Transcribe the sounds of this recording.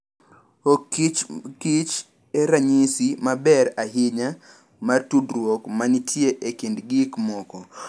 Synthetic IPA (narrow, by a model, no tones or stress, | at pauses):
okit͡ʃkit͡ʃ | eɾaɲisimabɛɾaɦɪɲa | martudɾwokmanitʰjeʔekindɡɪkmɔkɔ